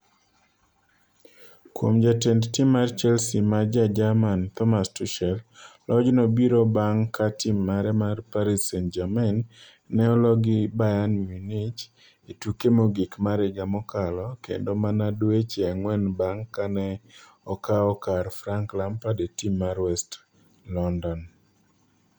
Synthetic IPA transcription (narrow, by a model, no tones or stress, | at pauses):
kwo̰md͡ʒatɛndtimːart͡ʃɛlsimad͡ʒad͡ʒamant̪ɔmastuʃɛllʔɔd͡ʒnɔbiɾobaŋkatimːaɾɛmarpaɾisɛnd͡ʒamanː | ɛɔlɔɡɪbajanjunɪt͡ʃ | etukemoɡɪkmaɾɪɡamɔkalɔkḛndomanadwet͡ʃeaŋwɛnbaŋkanɛ | ɔkaɔkarfɾaŋklampadetimːarwɛst | lɔndɔn